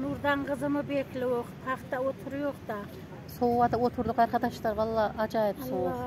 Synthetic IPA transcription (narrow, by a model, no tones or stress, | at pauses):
nuɾd̪ɑɴʁəzɨmɨbeklɪwoqt̪ʰɑχt̪awot̪ʰʊɾjoqd̪ɑ | sowːɑd̪awot̪ʰʊɾd̪ʊqɑɾχɑt̪ɑʃt̪ɑɾwɑlˠːɑɑd͡ʒɑjɪpsow